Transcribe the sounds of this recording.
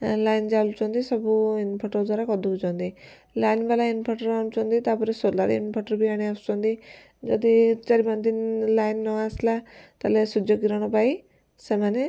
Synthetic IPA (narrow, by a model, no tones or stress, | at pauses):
lajnd͡ʒalut͡ʃɔnd̪isɔbuinpʰɔʈɔɾd̪waɾakɔd̪uud͡ʒɔnd̪i | lajnbalainpʰɔʈəɾaɳ̃ut͡ʃɔnd̪it̪apɔɾesoɾlaɾḭnpʰɔʈəɾbiaɽ̃iast͡ʃɔnd̪i | d͡ʒɔd̪it͡ʃɐɾiband̪inlajnːɔaslat̪alesud͡ʒjoɡiɾaɽ̃ɔpai | semane